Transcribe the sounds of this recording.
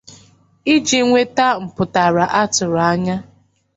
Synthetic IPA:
i˦d͡ʒi˨ŋʷe˦ta˦m̩˨pʊ˨ta˨ɾa˨ʔa˦tʊ˨ɾa˦ɲa˦

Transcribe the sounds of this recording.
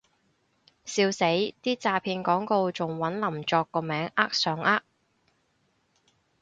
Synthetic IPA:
siː˧wse˨˥jt̪iː˥t͡saː˧pʰiː˧nkɔː˨˥ŋko˧wt͡sʊ˨ŋwɐ˨˥nlɐ˨˩mt͡ʃɔː˧kːɔː˧mɛː˨˥ŋʔaː˥k̚sœː˨˥ŋʔaː˥k̚

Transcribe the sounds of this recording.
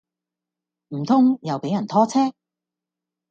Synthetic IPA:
m̩˨˩t̪ʰʊ˥ŋjɐ˨wpe˨˥jɐ˨˩nt̪ʰɔː˥t͡sʰɛː˥k̚

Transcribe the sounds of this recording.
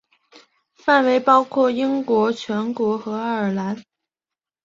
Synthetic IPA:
fa˥˩nwe˧˥ɪpɑ˥ʊkʰwɔ˥˩i˥ŋkwɔ˧˥t͡ɕʰɥɛ˧˥nkwɔ˧˥xɤ˧˥a˥˩ə˞˨˩la˧˥n

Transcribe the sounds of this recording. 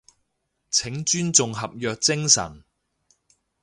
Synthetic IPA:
t͡sʰɪ˨˥ŋt͡ʃyː˥nt͡sʊ˨ŋɦɐ˨p̚jœː˧k̚t͡sɪ˥ŋsɐ̰˨˩n

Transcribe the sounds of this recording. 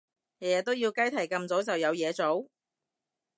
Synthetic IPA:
hɛ˨˩jɛː˨t̪o˥wjiː˧wkɐ˥jt̪ʰɐ˨˩jkɐ˧mt͡so˨˥wt͡sɐ˨wjɐ˨˧wjɛː˨˧t͡so˨˥w

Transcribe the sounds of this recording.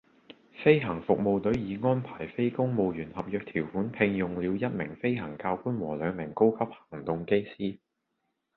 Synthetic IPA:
fe˥jɦɐ˨˩ŋfʊ˨k̚mo˨wt̪ɵ˨˥ɥjiː˨˧ŋɔː˥npʰaː˨˩jfe˥jkʊ˥ŋmo˨˧wjyː˨˩nhɐ˨p̚jœː˨˧k̚t̪ʰiː˨˩wfuː˨˥npʰɪ˧ŋjʊ˨ŋliː˨˧wjɐ˥t̚mɪ˨˩ŋfe˥jɦɐ˨˩ŋkaː˧wkuː˥nwɔː˨˩lœː˨˧ŋmɪ˨˩ŋko˥wkʰɐ˥p̚hɐ̥˨˩ŋt̪ʊ˨ŋke˥jsiː˥

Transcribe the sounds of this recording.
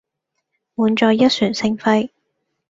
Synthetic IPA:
muː˨˧nt͡ʃɔː˧jːɐ˥t̚syː˨˩nsɪ˧ŋfɐ˧j

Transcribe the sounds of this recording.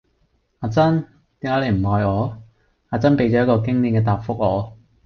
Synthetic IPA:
aː˨˧t͡sɐ˥n | t̪iː˨˥ŋkaː˨˧˥le˨˧jm̩˨˩hɔː˨˧jɔː˨˧ | aː˨˧t͡sɐ˥npe˨˧jt͡ɕt͡ʃɔː˨˧jɐ˥t̚kɔː˧kɪ˥ŋliː˨˩nkɛː˧t̪aː˨p̚fʊ˥k̚ɔː˨˧

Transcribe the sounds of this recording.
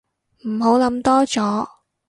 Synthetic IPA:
m̩˨˩ɦo˨˥wlɐ˨˥mt̪ɔː˥t͡sɔː˨˥

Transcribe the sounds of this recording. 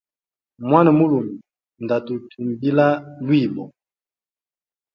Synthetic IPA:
mwa˦na˨mu˦lu˨mi˨ | nda˨tu˨tʰu˨mbi˦la˦lwi˦˨bɔ˨

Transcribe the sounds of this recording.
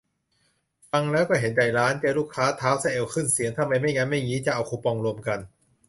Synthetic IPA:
fa˧ŋlɛː˦˥wkɔː˥˩ɦe˩˦nda˨˩jɾaː˦˥nt͡ɕaː˧luː˥˩kʰːaː˦˥t̪ʰaː˦˥wsa˧˩ʔe˧wkʰɯ˥˩nsi˩˦əŋt̪ʰa˧˩ma˧jma˥˩jŋaː˧˥nma˥˩jŋiː˦˥t͡ɕa˧ʔa˧wkʰuː˧˩pɔ˧ŋɾu˧əmka˧n

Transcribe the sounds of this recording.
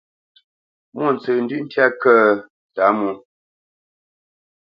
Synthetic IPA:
mu˦˨n˨t͡sɨ˨n̩˦dʉ˦ʔn̩˦tja˦kə˦ | ta˨˦mu˦

